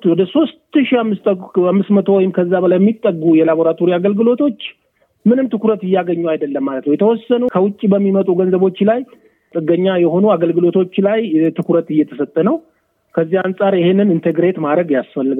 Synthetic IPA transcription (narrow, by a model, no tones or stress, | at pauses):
wɔd̪əso̞st̪ɨʃiamːɨst̪amːɨsmət̪ʰo̞wɔjɪmkʰəzːabəlajɛmːit̪ʼːəɡujɛlabo̞ɾat̪ʰo̞ɾiaɡəlɡɨlo̞t̪ʰo̞t͡ʃː | mɨnɨmt̪ʰɨkuɾət̪ɨjːaɡəɲːuajd̪əlːəmːalət̪nəwjɛt̪əwɔsːənukʰəwʊt͡ʃʼːibəmːimət̪ʼuɡənzəβo̞t͡ʃːlaj | t̪ʼɨɡːəɲːajɛho̞nuaɡəlɡɨlo̞t̪ʰo̞t͡ʃːlajt̪ʰɨkuɾət̪ɨjːɛt̪ʰəsət̪ʼːənəw | kʰəzːihansʼaɾjɪhe̞nːɨnɨnt̪ʰeɡɾe̞t̪mad̪ɾəɡjasfəlːɨɡ